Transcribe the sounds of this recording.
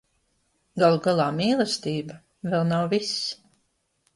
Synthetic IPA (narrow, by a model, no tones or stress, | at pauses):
ɡalˠuɡalˠaːmiːlˠɛst̪ʲiːba | vɛlˠnawvis